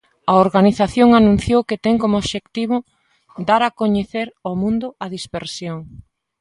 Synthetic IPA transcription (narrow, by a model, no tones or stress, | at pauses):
ɐoɾɣaniθaθjoŋanũn̟θjowket̪ɛŋkomooβʃekt̪iβʊ | d̪aɾakoɲeθeɾomũnd̪ʊɐðispeɾsjoŋ